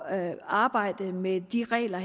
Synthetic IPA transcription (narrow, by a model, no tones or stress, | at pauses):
ɑ̈ːb̥ɑ̈ɪ̰d̥əmed̥iʁɛ̰ːlɐ